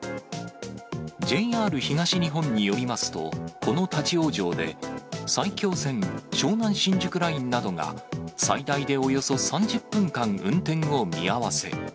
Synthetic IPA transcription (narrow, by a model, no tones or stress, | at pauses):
d͡ʑe̞iaːɾɯ̟çiŋaɕiɲ̟iɦõ̞ɲ̟ːijo̞ɾʲimasɨ̥t̪o̞̰ko̞no̞t̪at͡ɕio̞ːd͡ʑo̞ːd̪e̞̰saikʲo̞ːsẽ̞ŋɕo̞ːnãɰ̃ɕĩɲ̟d͡ʑɨkɯ̟ɾaĩnːad̪o̞ŋa̰said̪aid̪e̞o̞jo̞so̞sãɲd͡ʑɨpːɯ̟̃ŋkãŋɯ̟̃nt̪ẽ̞ŋo̞mʲḭaβase̞̰